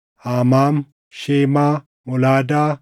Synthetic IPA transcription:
aːmaːm | ʃeːmaː | mɔlaːdaː

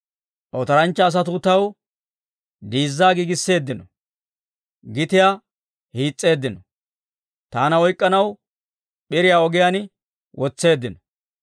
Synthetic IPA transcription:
ʔɔt̪ɐɾɐnt͡ʃːɐːs̬ɐt̪̬ut̪ɐw | d̪iːzːaːɡiːɡɪsːe̞ːd̪ːɪnɔ | ɡɪt̪ɪja | hiːt͡sʼːe̞ːd̪ːɪnɔ | t̪aːnɐɔjkʼːɐnɐw | ɓɪɾɪjaːɔɡɪjan | wʔɔt͡sːe̞ːd̪ːɪnɔ

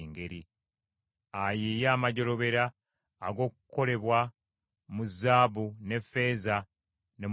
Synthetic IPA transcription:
ŋɡe̞ɾi | ajeːjaːmaɟo̞lo̞βe̞ɾaː | ɡo̞ːkukole̞βwa | muzaːβune̞fe̞ːza | ne̞

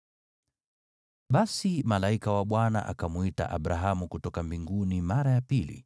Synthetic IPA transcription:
ɓasimalaikawaɓwana̰ʔa̰kamuita̰ʔaɓɾaɦamukutɔkambiŋɡunimaɾajapilḭ

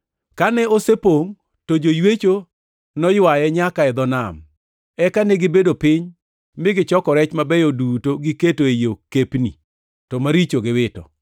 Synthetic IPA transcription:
kanɛosepoŋ | tod͡ʒojwet͡ʃo | nɔjwajɛɲakaɛd̪ɔnam | ɛkanɛɡɪbedopɪɲ | mɪɡɪt͡ʃɔkɔɾɛt͡ʃmabɛjodutoɡiketoejokepnḭ | tɔmaɾit͡ʃoɡɪwɪtɔ̰

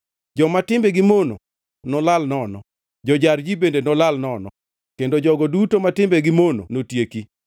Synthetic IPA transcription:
d͡ʒɔmatɪmbɛɡɪmono̰ | nɔlalnɔnɔ | d͡ʒɔd͡ʒaɾd͡ʒibendenɔlalnɔnɔ | kendod͡ʒɔɡɔdutomatɪmbɛɡɪmono̰notjeki

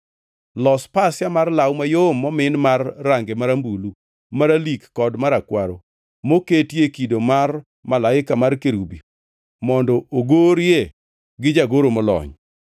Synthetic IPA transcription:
lɔspasjamarlawmajomːɔmɪnmarːaŋɡemaɾambulu | maɾalikːɔdmaɾakwaɾo | moketjekidomar | malaɪkamarkeɾubi | mɔndɔoɡoɾje | ɡɪd͡ʒaɡoɾomɔlɔ̰ɲ

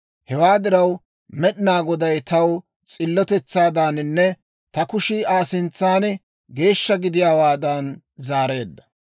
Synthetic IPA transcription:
hɛwaːd̪ɪɾɐw | mɛɗɪnaːɡɔd̪ɐjt̪ɐw | t͡sʼɪlːɔt̪ɛt͡sːaːd̪aːnɪnːɛ | t̪ɐkʊʃiːaːsɪnt͡sːaːn | ɡe̞ːʃːɐɡɪd̪ɪjaːwaːd̪ɐn | zaːɾe̞ːd̪ːɐ

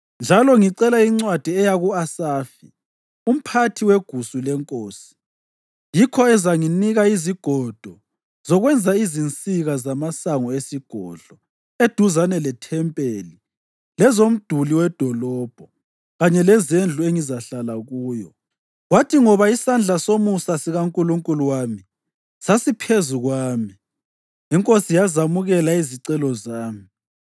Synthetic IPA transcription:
nd͡ʒʱalɔŋiǀɛlaiŋ͡ǀwad̥ʱiɛjaɣuasaːfḭ | um̩pʰatʰiweɡ̥ʱusulɛŋkʼoːsi̥ | jikʰɔɛzaŋiniɣaiziɡ̥ʱɔd̥ʱɔ | z̥ɔɣwɛnd͡zʱaizint͡sʼiɣazamasaŋɔesiɡ̥ʱɔ̰ɮ̥ʱɔ | ed̥ʱuzanɛlɛtʰɛmpʼeli | lɛzom̩d̥ʱuliwɛd̥ʱɔlɔːb̥ʱɔ | ɣaɲɛlɛzend͡ɮʱueŋizaɬalaɣuːjɔ̰ | ɣwatʰiŋɔβaisand͡ɮʱasomusasiɣauŋkʼuluŋkʼuluwami | sasipʰezuɣwaːmi | iŋkʼosijazamuɣɛlaiziǀɛlɔzaːmi

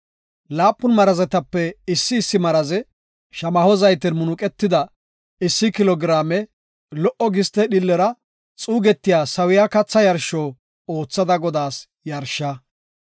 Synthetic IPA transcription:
laːpʼːʊnmɐɾɐzɛt̪ɐpːɛɪsːɪːsːɪmɐɾɐzɛ | ʃɐmɐhɔzɐjt̪ɪnmʊnʊkʼɛt̪ːɪd̪ɐ | ɪsːɪkɪlɔɡɾaːmɛ | lɔʔɔɡɪst̪ɛɗɪlːɛɾɐ | t͡sʼuːɡɛt̪ːɪjaːsɐwɪjakɐt͡sːɐjɐɾʃɔː | o̞ːt͡sːɐd̪ɐɡɔd̪aːs | jɐɾʃːɐ

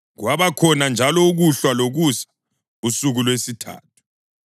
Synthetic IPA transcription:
ɣwaβakʰɔnand͡ʒʱalɔuɣuɬwaloɣusḁ | usuɣulwesitʰa̰ːtʰu̥

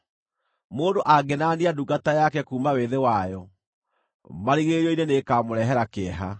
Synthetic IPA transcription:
moːndoʔaɡenaːniaduɡatajakɛkuːmaweðewajɔ | maɾiɣeɾiɔinenekaːmoɾɛɦɛɾakeɛɦa̰

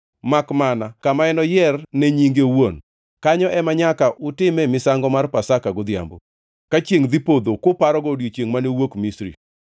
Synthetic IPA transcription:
makmanakamaɛnɔjɛrneɲiŋɡewon | kaɲɔʔɛmaɲakaʔutɪmɛmɪsaŋɡɔmarpasakaɡɔd̪ja̰mbo̰ | kat͡ʃjeŋd̪ipod̪okopaɾɔɡodjot͡ʃeŋmanewokmisɾḭ

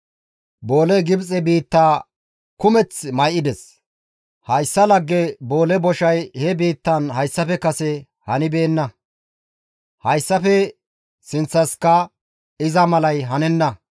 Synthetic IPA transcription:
bo̞ːlɛɡɪbt͡sʼɛbiːt̪ːaː | kʊmɛt͡smɐjʔɪd̪ɛs | hɐjsːɐlɐɡːɛbo̞ːlɛbɔʃɐjhɛbiːt̪ːɐnhɐjsːɐfɛkɐsɛ | hɐnɪbeːnːɐ | hɐjsːɐfɛ | sɪnt͡sːɐskɐ | ɪzɐmɐlɐjɦɐnɛnːɐ

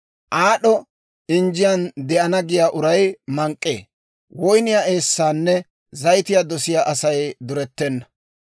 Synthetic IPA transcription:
ʔaːɗɔ | ɪnd͡ʒɪjɐnd̪ɛʔɐnɐɡɪjaːʔʊɾɐjmɐŋkʼːḛː | wɔjnɪjaːeːsːaːnːɛ | zɐjt̪ɪjad̪ɔsɪjaʔɐsɐjd̪ʊɾɛt̪ːɛnːɐ

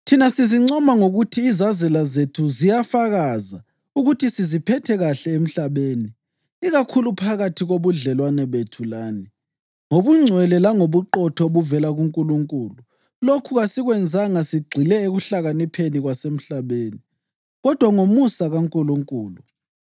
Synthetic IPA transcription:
tʰinasiziŋ͡ǀɔmaŋoɣutʰiːzazɛlazetʰuzijafaɣaza | uɣutʰisizipʰɛtʰɛɣaɬɛem̩ɬaβeːniː | ɣakʰulupʰaɣatʰiɣoβuɮɛlwanɛβetʰulaːni | ŋoβuŋ͡ǀʱwɛlɛlaŋoβuǃɔtʰɔoβuvɛlaɣuŋkʼuluŋkʼuːlu | lokʰuɣasiɣwɛnd͡zʱaŋasiɡ͡ǀʱilɛeɣuɬaɣanipʰeniɣwasem̩ɬaβeːni | ɣɔd̥ʱwaŋomusaɣaŋkʼuluŋkʼuːlu

